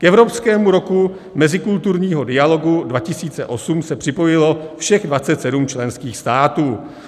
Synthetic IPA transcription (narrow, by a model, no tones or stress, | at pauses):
kɛvɾopskɛːmuɾo̞ku | mɛzɪkult̪uɾɲiːɦo̞dɪalo̞ɡudvacɪsiːt͡sɛ̰ʔo̞sumsɛpr̝̥ɪpo̞jɪlo̞fʃɛɣdvatt͡sɛt̪sɛdumt͡ʃlɛnskiːxst̪aːt̪uː